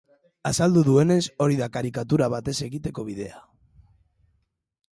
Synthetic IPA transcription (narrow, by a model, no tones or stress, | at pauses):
asald̪uðue̞ne̞so̞ɾiðakaɾikat̪uɾaβ̞at̪e̞se̞ɣit̪e̞ko̞β̞iðe̞a